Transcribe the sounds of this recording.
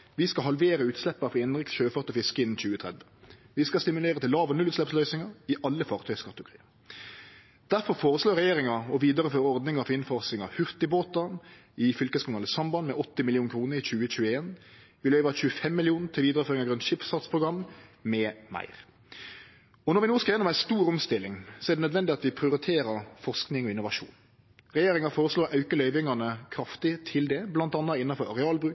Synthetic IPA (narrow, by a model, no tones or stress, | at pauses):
ʋɪskɑɦɑlʋeːɾəʉːt̪slɛpːɑfʁɑɪnɾɪksɕøːfɔʁt̪ɔfɪskəɪnn̩c͡çʉːət̪ʰɾɛd̪ʋəʋɪskɑst̪ɪmʉleːʁət̪ʰɪlːɑːʋɔnʉlʉːt̪slɛpslœʏsɪŋɑɪʔɑlːəfɑːʁt̪ʰœʏskɑt̪ːəʊkʁḭːɑ | d̪̥æʁfɔɾfoːɾəsloːɾʁɛjeːʁɪŋɑɔʋiːd̪əʁəføːɾɔʁd̪nɪŋəɑfɪnfɑʁsɪŋɑhʏʁt̪ɪboːt̪ɑn | ɪfʏlkəskʊmnɑːləsɑmbɑnmɛʔɔt̪ːɪmɪlɪjuːŋkʰɾuːnəɾɪçʉːəc͡çʉːəeːn | ʋɪlœʏʋɑçʉːəfɛmːɪlɪuːn̩t̪ʰɪlʋiːd̪ɾəføːɾɪŋɑɡɾʉnʃɪpsɑt̪spʰɾʁʊɡɾɑmːmɛmæ̰ɪʁ | ɔnɔɾʋɪnoːskɑjɛnːɔmæɪst̪uːɾɔmst̪ɪlːɪŋsɔɛʁd̪ɛnœd̪ʋɛnd̪ɪɑt̪ʋɪpʰɾɪʊɾɪt̪ʰeːɾəɾfɔʁsknɪŋɔɪnʊʋɑʂṵːn | ʁɛjeːɾɪŋɑfoːɾəsloːɾɑʉkəlœʏʋɪŋɑnəkʰɾɑft̪ɪt̪ʰɪld̪ɛblɑnt̪ɑnːɑɪnːɑfɔɾɑɾɛɑːlbɾʉː